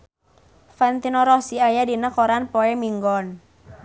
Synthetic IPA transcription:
fɛnt̪inoɾɔsiajadinəkoɾanpoɛmiŋɡɔn

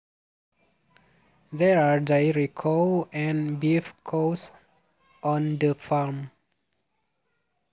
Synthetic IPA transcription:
dɛɹadajɹikʰoɛ̃nbifkʰos | ʔɔ̃ndəfalm

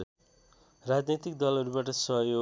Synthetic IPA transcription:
rad͡znit̪ik̚d̪ʌlɦʌɾubaʈ̬ʌsʌɦjo

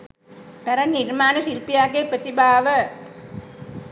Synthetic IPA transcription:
mɛɾɐnːirmaːnəsilpijaːɡepɾət̪ibaːʋə

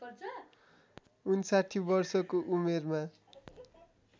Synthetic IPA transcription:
unsaʈʰibʌrsʌkoʔumerma

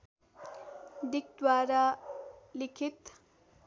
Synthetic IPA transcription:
d̪ik̚d̪waɾa | likʰit̪

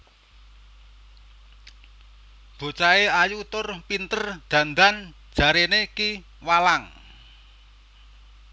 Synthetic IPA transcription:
b̥o̤t͡ʃaeajut̪ʊrpint̪ərd̪̥ä̤nd̪an̥ | ʒ̥ä̤ɾeneki | walaŋ

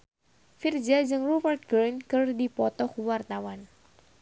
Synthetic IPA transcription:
fird͡ʒad͡ʒɨŋrubərt̪̚ɡɾinkɨrdipɔt̪ɔkuwart̪awan

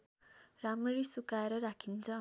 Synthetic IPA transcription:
ramrisukaeɾʌɾakʰint͡sʰʌ

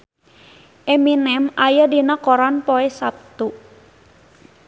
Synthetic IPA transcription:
ʔɛminɛmajadinakɔɾanpoɛsap̚t̪u

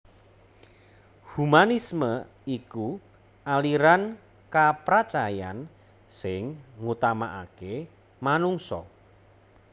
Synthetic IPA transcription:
humanismə | iku | aliɾan | kapɾat͡ʃaja̰n | sɪŋŋut̪ama̰ʔake | manuŋsɔ̰

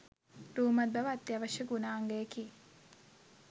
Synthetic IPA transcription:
ɾuːmɐt̪̚bɐʋɐt̪ːjɐʋɐʃəɡunaːŋɡejeki

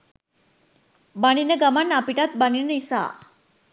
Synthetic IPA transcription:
bañineɡamanːapiʈat̪̚baninəisa̰

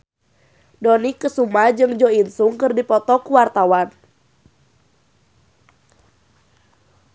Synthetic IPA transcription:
dɔnikːəsumad͡ʒɨŋd͡ʒɔinsuŋkɨrdipɔt̪ɔkuwart̪awan

